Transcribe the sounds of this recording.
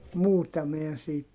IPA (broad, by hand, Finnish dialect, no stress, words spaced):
muːtɑ mi en siːt